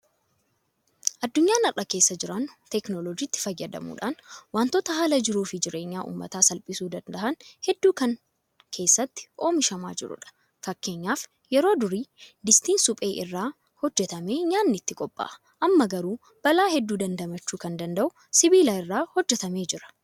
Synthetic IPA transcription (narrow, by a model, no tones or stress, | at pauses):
ʔɐd̪ːʊɲːaːnɐrːɐke̞ːsːɐd͡ʒɪɾɐnt̪ɛknɔlɔd͡ʒiːt̪ːɪ̥fɐjːɐd̪ɐ̰mṵːᶑaːnwaːnt̪oːt̪ɐɦaːlɐd͡ʒɪɾuːfɪd͡ʒɪɾe̞ːɲːaːʔṵːmːɐ̰t̪aːsɐlpʼɪsuːd̪ɐnd̪ɐʔɐnhɛd̪ːuːkɐŋ | kʰe̞ːsːɐt̪ːɪ̥ʔo̞ːmɪʃɐma̰ːd͡ʒɪɾʊ̰ᶑɐ̥ | fɐkːe̞ːɲːaːf | jɛɾoːd̪ʊɾiːd̪ɪst̪iːnsʊpʼe̞ːʔɪ̰rːaː | hɔd͡ʒːɛt̪ɐme̞ːɲaːnːɪt̪ːɪkʼɔpʼːa̰ʔɐ̥ | ʔɐmːɐɡɐɾuː | b̥ɐlaːhɛd̪ːuːd̪ɐnd̪ɐmɐt͡ʃːuːkɐnd̪ɐnd̪ɐʔʊ | sɪbiːlaɪrːaːhɔd͡ʒːɛt̪ɐme̞ːd͡ʒɪɾɐ̥